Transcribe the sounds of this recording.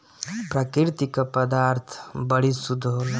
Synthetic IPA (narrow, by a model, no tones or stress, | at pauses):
pɾɐkɪɾt̪ikapɐd̪aːɾt̪ʰbəɽisud̪ʱo